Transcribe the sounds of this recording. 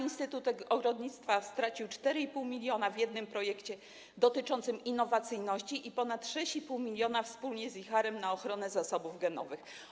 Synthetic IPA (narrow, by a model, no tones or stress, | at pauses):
inst̪ɘt̪ut̪ɛɔɡɾɔd̪ɲit̪st̪fast̪ɾat͡ɕiwt͡ʂt̪ɛɾɘipuwmʲilʲjɔnavʲjɛd̪nɘmpɾɔjɛkt͡ɕɛ | d̪ɔt̪ɘt͡ʂɔnt̪sɘminːɔvat̪sɘjnɔɕt͡ɕiʔipɔnat̪ʂɛɕt͡ɕipuwmʲilʲjɔnafspulɲɛzixaɾɛmnaɔxɾɔnɛzasɔbuvɡɛnɔvɘx